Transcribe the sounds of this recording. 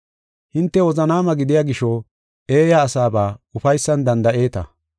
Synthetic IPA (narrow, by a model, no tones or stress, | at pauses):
hɪnt̪ːɛwɔzɐnaːmɐɡɪd̪ɪjaɡɪʃɔ | e̞ːjaːsaːbaːʊfɐjsːɐnd̪ɐnd̪ɐʔe̞ːt̪ɐ̰